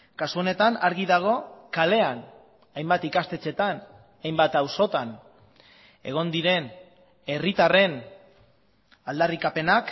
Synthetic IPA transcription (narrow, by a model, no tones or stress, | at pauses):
kasuo̞ne̞t̪anaɾɣiðaɣ̞o̞kale̞an | ajmbat̪ikast̪e̞t͡se̞t̪an | ajmbat̪awso̞t̪an | e̞̰ɣ̞o̞nd̪iɾe̞n | e̞rit̪are̞n | ald̪arikape̞nak